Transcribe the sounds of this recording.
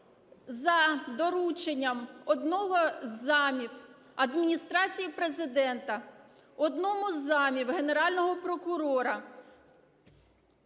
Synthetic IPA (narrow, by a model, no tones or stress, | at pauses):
zɐd̪ɔɾut͡ʃenʲːɐmɔd̪nɔɦɔzɑmʲiw | ɐd̪mʲinʲist̪ɾɑt͡sʲijipɾezɪd̪ɛnt̪ɐ | ɔd̪nɔmʊzːɑmʲiwɦe̞ne̞ɾɑlʲnɔɦɔpɾɔkʊɾɔɾɐ